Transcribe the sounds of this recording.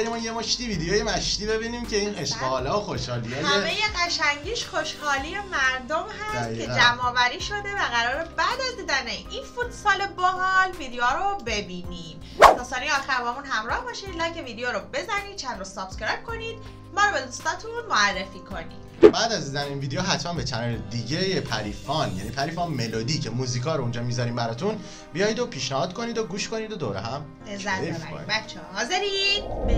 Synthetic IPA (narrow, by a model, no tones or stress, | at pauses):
jemɒjemoʃt̪iviːd̪ejojemæʃt̪iːbe̞biniːmcʰe̞ineʃɡeːlːxoʃhɒːliɒːjæmejeɢæʃæŋɟiːʃχoʃhɒːlije̞mæɾd̪omɦæsttkʰed͡ʒæmɒːvæɾiːʃo̞d̪e̞væɣæɾɒːɾebæd̪æzd̪iːd̪æneʔinfut̪ʰsɒːleboɦɒlvid̪ejoɾobe̞biːniːm | d̪̥ɔːst̪ɒːniɒːxæɾbɒːmunɦæmɾɒːhbɒːʃilɒːceviːd̪ejoɾobe̞zæniːd̪̚t͡ʃʰænɾosɒːbt̪kɾebkʰo̞niːd̪̥̚ | mɒːɾobe̞d̪ust̪ɒːt̪ʰunmoærːefiːkʰo̞nḭːd̪̥ | bæːd̪æzid̪æɾiːnviːd̪ejoɦæt̪ʰmænbet͡ʃʰænɾed̪iɟejepʰæɾiːfɒnjæ̰niːpʰæɾifɒnmelod̪icʰemuziːkʰɒːɾound͡ʒɒːmizɒɾiːmbæɾɒt̪ʰun | bijɒjid̪opʰiːʃnæhɒːd̪̥kʰo̞niːd̪oɡuːʃkʰo̞nid̪od̪oɾeɦæm | ezæfko̰nḭbæt̪t͡ʃʰːɛɦɒːzeɾid̪̥